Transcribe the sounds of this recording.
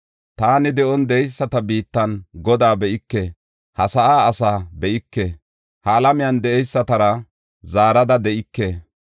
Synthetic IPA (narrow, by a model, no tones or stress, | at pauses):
t̪aːnɪd̪ɛʔɔnd̪ɛɛjsːɐt̪ɐbiːt̪ːɐnɡɔd̪aːbɛʔɪkːe | hɐsɐʔaːsaːbɛʔɪkːe | hɐːlɐmɪjɐnd̪ɛʔɛjsːɐt̪ɐɾɐ | zaːɾɐd̪ɐd̪ɛʔɪkːe